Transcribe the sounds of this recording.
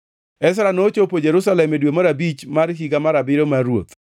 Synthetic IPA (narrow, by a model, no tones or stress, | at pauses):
ɛs̬ɾanot͡ʃopod͡ʒeɾusalɛmedwemaɾabit͡ʃmarɦiɡamaɾabɪɾomaɾwo̰t̪